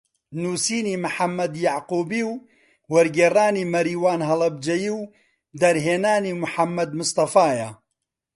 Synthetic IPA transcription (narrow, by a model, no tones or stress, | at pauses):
nuːsiːniːmɨħamːɐd̪jaʕquːbiːw | wɐɾɡeːraːniːmɐɾiːwaːnɦɐlɐb̚d͡ʒɐjiːw | d̪ɐɾɦeːnaːniːmʊħamːɐd̪mʊst̪ɑfaːja